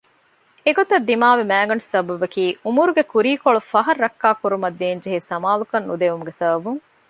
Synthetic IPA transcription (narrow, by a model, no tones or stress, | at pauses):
eɡot̪ɐd̪ːimaːʋemæːɡɐnusɐbɐʋɐkiːumuɾuɡekuɾiːkoɭufɐɦɐɾːɐkːaːkuɾumɐd̪ːeːnd͡ʒeɦesɐmaːlukɐnːud̪eʋumuɡesɐbɐbuŋ